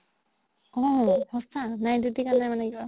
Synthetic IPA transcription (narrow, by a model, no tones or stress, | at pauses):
ɔhɔsanajdudikanajmanɛɡiba